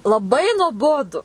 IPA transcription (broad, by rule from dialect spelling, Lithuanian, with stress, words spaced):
lˠɐˈbɐɪ nuɔˈboːdʊ